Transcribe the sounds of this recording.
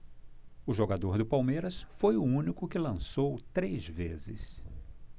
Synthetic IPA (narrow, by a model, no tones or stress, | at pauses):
ʊʒoɡad̪oɾd̪ʊpawmeɾɐsfojʊũnikʊkɪlɐ̃sowt̪ɾezvḛzɪ̰s